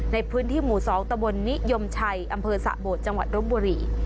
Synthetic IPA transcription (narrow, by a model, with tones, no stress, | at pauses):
na˧jpʰɯː˦˥nt̪ʰiː˥˩muː˨˩sɔː˩˦ŋt̪a˧mbo˧nːi˦˥jo˧mt͡ɕʰa˧jʔa˧mpʰɤː˧sa̰˨˩ʔboː˨˩t̪̚t͡ɕa˧ŋwa˨˩t̪̚ɾo˦˥mbuː˧ɾiː˧˩